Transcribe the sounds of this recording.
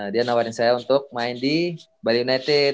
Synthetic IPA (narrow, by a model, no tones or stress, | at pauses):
dianawaɾɪnsajaunt̪ʊk̚maɪndi | baliunat̪ɪ